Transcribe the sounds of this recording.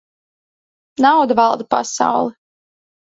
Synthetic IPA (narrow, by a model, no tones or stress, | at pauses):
nawd̪vɑlˠd̪apa̰sa̰wlˠɛ